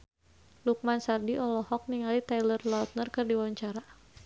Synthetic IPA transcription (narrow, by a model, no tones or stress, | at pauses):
luk̚mansardiʔɔlɔhɔk̚niŋalit̪ajlərlaut̪̚nərkɨrdiwaɲt͡ʃaɾa